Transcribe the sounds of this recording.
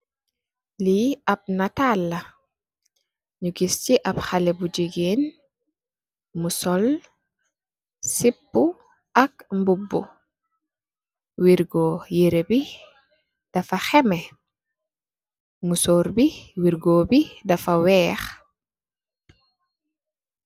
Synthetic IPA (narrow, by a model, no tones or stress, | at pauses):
liɐp̚natalːɐ | ɲuɡist͡ʃiʔɐpxalɛbud͡ʒiɡeːn | musɔl | sipːu | ʔɐk̚mbubːṵ | wiɾɡɔjeɾebi | d̥ɐfɐxɛmɛ | musɔɾbiwiɾɡɔːbidɐfɐwɛːx